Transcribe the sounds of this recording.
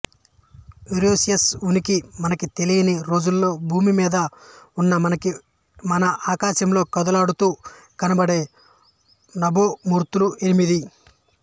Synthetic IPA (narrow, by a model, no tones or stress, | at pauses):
iɾoːsjɐsunikimɐnɐkit̪elijɐniɾo̞ːd͡ʒulːo̞ːbʱuːmimiːd̪ɐunːɐɐnɐi | mɐnɐʔaːkaːʃɐmlo̞ːkɐd̪ɐlaːɽut̪uː | kɐnɐbɐɽe̞ː | nɐbomuːɾt̪uluenimid̪i